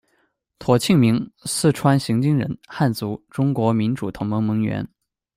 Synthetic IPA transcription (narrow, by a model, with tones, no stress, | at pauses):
t̪ʰwɔ˨˩t͡ɕʰi˥˩ŋmi˧˥ŋsɹ̩˥˩ʈ͡ʂʰwa˥nɕi˧˥ŋt͡ɕi˥ŋɻə̰˧˥nxa˥˩nt͡su˧˥ʈ͡ʂʊ˥ŋkwɔ˧˥mi˧˥nʈ͡ʂu˨˩t̪ʰʊ˧˥ŋmɤ˧˥ŋmɤ˧˥ŋɥɛ̰˧˥n